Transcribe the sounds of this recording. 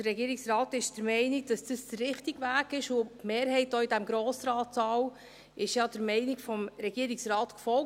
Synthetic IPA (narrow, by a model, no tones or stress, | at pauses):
d̥ərːɛɡiːɾɪksrɑːtɪʃd̥əɾmɛɪniɡ̚d̥ɑsd̥əsd̥ərːɪχtiɡʋæːɡɪʃʊmeːɾhɛɪt̚d̥ɔidæmɡɾoːsɾɑːtsɑːw | ʔɪʃjɑd̥əɾmɛɪniɡfɔmɾɛɡ̥iəɾɪksɾɑːtkfɔl